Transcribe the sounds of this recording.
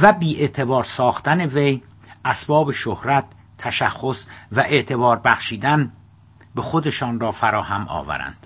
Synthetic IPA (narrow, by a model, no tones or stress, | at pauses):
væbiːʔe̞t̪ʰe̞bɒːɾsɒːxt̪æneve̞j | ʔæsbɒːbeʃohɾæt̪ʰː | æʃæxːosvæʔeʔt̪ʰe̞bɒːɾbæxʃiːd̪æn | bexod̪e̞ʃɒːnrɒːfæɾɒːhæmɒ̰ːvæ̰ɾæ̰nd̪̥